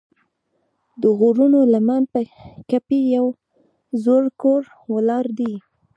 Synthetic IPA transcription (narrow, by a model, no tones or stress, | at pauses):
d̪əɣoɾunolamanpəkapijaw | zoɾkoɾ | wəlɑɾd̪i